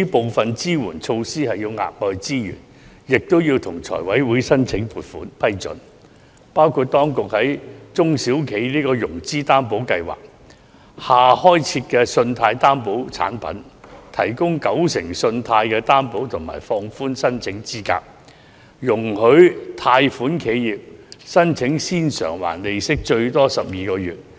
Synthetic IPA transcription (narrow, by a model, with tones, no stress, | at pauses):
i˥po˨wfɐ˨nt͡siː˥wuː˨˩nt͡sʰo˧wsiː˥hɐ˨jːiː˧wŋa̰ː˨k̚lɔː˨jt͡siː˥jy̰ː˨˩n | jɪ˨k̚t̪o˥wji˧wt̪ʰʊ˨˩ŋt͡sʰɔ̰ː˨˩jwɐ˨˥jwuː˨˥jsɐ˥nt͡sʰɪ˨˥ŋpʰuː˨˩t̚fuː˨˥npʰɐ˥jt͡sɵ̰˨˥n | paː˥wkʰuː˨˧t̚t̪ɔː˥ŋkʊ˨k̚hɐ˨˥jt͡sʊ˥ŋsi˨˥wkʰe˨˥jliː˥kɔː˧jʊ˨˩ŋt͡siː˥t̪aː˥npo˨˥wkɐ˧jwa̰ː˨k̚ | haː˨hɔː˥jt͡sʰiː˧t̚kɛ˧sɵ˧nt̪ʰaː˧jt̪aː˥npo˨˥wt͡sʰa̰ː˨˥npɐ̰˨˥nt̪ʰɐ̰˨˩jkʊ˥ŋkɐ˨˥wsɪ˨˩ŋsɵ˧nt̪ʰaː˧jkɛː˧t̪aː˥npo˨˥wt̪ʰʊ˨˩ŋma̰ː˨˩jfɔː˧ŋfuː˥nsɐ˥nt͡sʰɪ˨˥ŋt͡siː˥ka̰ː˧k̚ | jʊ˨˩ŋhɵ˨˥ɥt̪ʰaː˧jfuː˨˥nkʰe˨˥jjiː˨p̚sɐ˥nt͡sʰɪ˨˥ŋsiː˥nsœ̰ː˨˩ŋwa̰ː˨˩nle˨˧jsɪ˥k̚t͡ʃɵ˧ɥt̪ɔː˥sɐ˨p̚jiː˨˧kɔː˧jyː˨˩t̚